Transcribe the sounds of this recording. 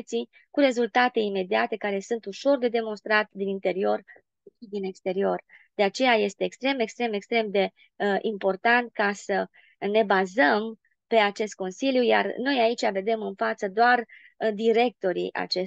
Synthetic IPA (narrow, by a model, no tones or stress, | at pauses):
t̪si | kuɾe̞zult̪at̪e̞ime̞d̪iat̪e̞kaɾe̞sunt̪uʃo̞rd̪e̞d̪e̞mo̞nst̪ɾat̪d̪inint̪e̞ɾio̞r | iʃid̪ine̞kst̪e̞ɾio̞rd̪̥e̞at͡ʃe̞jaje̞st̪eːkst̪ɾe̞me̞kst̪ɾe̞me̞kst̪ɾe̞md̪e̞ | ʔimpo̞rt̪ant̪̚kasə | ne̞bazəm | pe̞at͡ʃe̞st̪̚ko̞nsiljuja̰rno̞jait͡ʃʲave̞d̪e̞mɨnfat̪səd̪oar | d̪iɾe̞k̚t̪o̞ɾḭʔa̰t͡ʃe